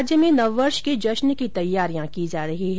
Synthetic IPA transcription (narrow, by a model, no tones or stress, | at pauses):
d͡ʒjəmẽnɐʋːɐɾʃkid͡ʒɐʃnkit̪ɐjːaːɾijãkid͡ʒaːɾɐɦiɦ